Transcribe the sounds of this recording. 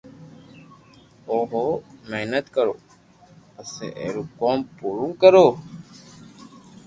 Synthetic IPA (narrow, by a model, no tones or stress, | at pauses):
oːɦoːmeɦnət̪kəɾo̰ː | əsḛːʔḛːɾuːkoːmpuːɾũːkəɾoː